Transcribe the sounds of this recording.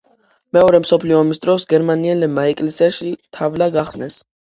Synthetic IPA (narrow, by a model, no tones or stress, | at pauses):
mɛɔɾɛmsɔpʰliɔːmisd̪ɾɔsɡɛɾmaniɛlɛmaɛkʼlɛsiaʃit̪ʰavlaɡaχsnɛs